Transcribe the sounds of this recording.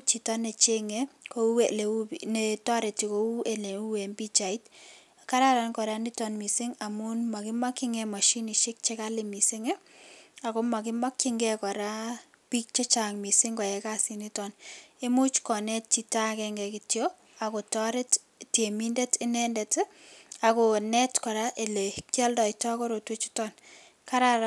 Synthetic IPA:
t͡ʃi˨tɔ˦ne˨t͡ʃe˦ŋeko˦elenetɔ˦ɾe˨tiko˦u˦ʔe˨le˨u˦we˨mbi˦t͡ʃa˨i˦t | ka˦ɾa˦ɾa˨nkɔ˨ɾa˦ni˦tɔ˨nmi˨sɪ˦ŋa˨mu˦nma˨kɪ˦ma˦kːɪ˦ŋɛma˨ʃi˦ni˨ʃɪ˦k̚t͡ʃe˦ka˦limi˨sɪ˦ŋɛ˦a˨ko˦ma˨kɪ˦ma˦kːɪ˦ŋɡɛ˦kɔ˨ɾa˦ | pi˦k̚t͡ʃe˦t͡ʃaŋmi˨sɪŋɡɔ˨jɛ˨ka˦sini˦tɔne˦mu˦t͡ʃkɔ˨nɛt̚t͡ʃi˦ta˦kɛŋɡɛkɪtjo | a˨ko˨tɔ˦ɾɪ˦t | tje˨mi˦ndɛ˦tɪ˦nɛ˦ndɛta˨konɛtkɔ˨ɾaʔe˨le˨kja˦ldɔ˨ɪtɔ˦kɔ˦ɾo˨twe˦t͡ʃi̥tɔn | ka˦ɾaɾ

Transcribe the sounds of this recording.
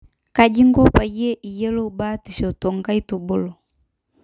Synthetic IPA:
ka˨d͡ʒi˦ŋɡɔ˦pa˨jɛ˦ʔi˨jɛ˦lo˦ba˦ti˨ʃɔ˨tɔ˨ŋɡa˦i˦tu˨bo˦lɔ˨

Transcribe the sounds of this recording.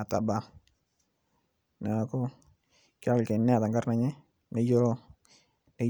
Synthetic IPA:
a˨ta˨ba˦ | na˨ko˦ | ka˦wke˨nːɛ˦a˨ta˨ŋɡa˦ɾna˨˦ɲɛ˦ | ne˦jo˦ɾo˦ | ne˦

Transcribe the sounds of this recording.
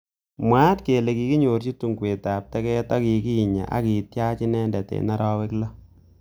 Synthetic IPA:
mwa˦tke˨le˨ki˨ki˦ɲo˨ɾt͡ʃi˦tu˨ŋkwe˨ta˨p̚tɛ˦kɛ˦ta˦ki˨ki˦˨ɲa̰˨ʔa̰˦ki˨tja˦t͡ʃi˦nɛ˦ndɛ˨tḛ˨na˦ɾɔ˦wɛ˦klɔ˦

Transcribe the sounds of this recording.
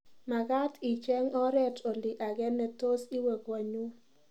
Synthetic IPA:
ma˨ɡa˦ti˨t͡ʃɛ˦ŋɔ˦ɾɛ˦tʰɔ˨lɪ˨ʔa˨ɡɛ˦nːɛ˨to˦si˦we˨kwa˨ɲu˦

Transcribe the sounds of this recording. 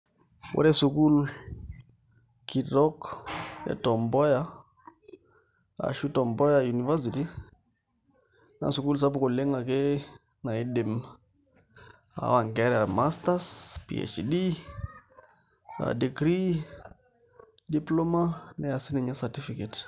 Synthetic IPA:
wɔ̰ɾɛ˦su˨ku˦l | ki˨dɔ˦kɛ̰˨tɔ˨mbɔ˦ja˦ | a̰˨ʃu˦tɔ˨mbɔ˦ja˨ju˨ni˨vɛ˦s̬i˨ti˦ | na̰˨su˨ku˦ls̬a˦pu˨ko˨le˦ŋa˨ke˦ | na˨e˦de˨m | a̰˨wa˨ŋɡɛ˦ɾa˨ma˦sta˦spḭ˨ɛ̰t͡ʃdi˦ | a̰˨de˨kɾi˦ | di˨plo˦ma˦nɛ˨a˨si˦nɛ˨ɲa˦sati˦fi˨kɛt

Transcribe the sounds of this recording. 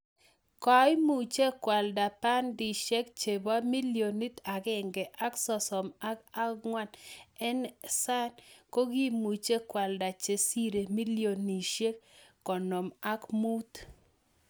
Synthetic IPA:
kɔ˨˦jmu˨t͡ʃe˦kwa˨lda˨pa˦ndi˨ʃe˦kt͡ʃe˨ba˦mi˦ljo˨ni˦t̪a˨ɡɛ˦ŋɡɛ˨ʔa˦ksɔ˨sɔ˨ma˦ka˦kŋwa˦nɛ˦nsa˦nko˦ɡi˦mu˨t͡ʃe˦kwa˨lda˨t͡ʃe˨si˦ɾe˨mi˦lijo˨ni˨ʃe˦kːɔ˨no˨ma˦kmu˦t̪

